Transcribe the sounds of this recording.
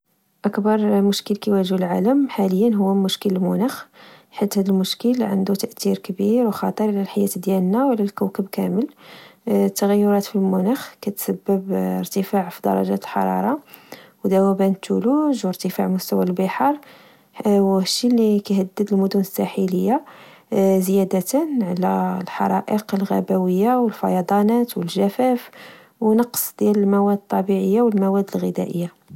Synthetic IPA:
ʔækbɑɾˤmʊʃkəlkæwæʒlʕaləmħaləjːənɦʊwːæmʊʃkələlmʊnæxħit̪hæd̪əlmʊʃkəlʕa̰nd̪ut̪əʔt̪iɾkbiɾwxɑt̪ˤəɾˤlælħajæt̪d̪jælnawlælkæwkəbkæməl | t̪ːəɣæjːʊɾˤɑt̪filmʊnæxkæt̪sæbːəbəɾt̪əfaʕfid̪ɑ̰ɾˤɑ̰ʒæ̰t̪əlħɑ̰ɾˤɑ̰ɾˤɑwd̪æwæbænt̪ːuluʒwəɾt̪əfaʕmʊst̪æwælbəħɑɾˤ | wʃːilikæhæd̪ːəd̪əlmʊd̪unəsːæħiləjːa | zjæd̪ət̪ənʕlælħɑ̰ɾˤɑʔəqəlɣæ̰bæwəjːawəlfɑjɑd̪ˤɑnæt̪wəlʒæfæf | wnɑqsˤd̪jæləlmæwæd̪t̪ˤːɑbiʕəjːawəlmæwæd̪ːəlɣid̪æ̰ʔəjːa

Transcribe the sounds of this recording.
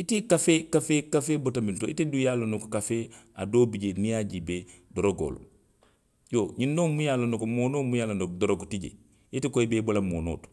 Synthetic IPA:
itikafekafekafeːbotamintoitidujaːlonokokafeːa̰doːbiɟenijaːɟibedoɾoɡo̰ːlo̰ | joɲindoːmujaːlonokomoːnoːmujaːlonodɔɾoɡotiɟḛ | itikoibebolamoːno̰ːtu̥

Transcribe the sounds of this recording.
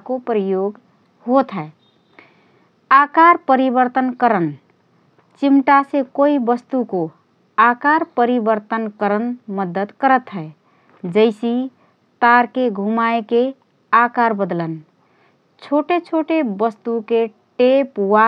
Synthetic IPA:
kopɾəjoɡ | ɦot̪ʰɦəe | akaɾpəɾibəɾt̪ənkəɾən | t͡ʃimʈasekoibəst̪uko | akaɾpəɾibəɾt̪ənkəɾənməd̪ət̪kəɾət̪ɦəe | d͡ʒəɪsi | t̪aɾkeɡʱumaeke | akaɾbəd̪lən | t͡ʃʰoʈet͡ʃʰoʈebəst̪uke | ʈepwa

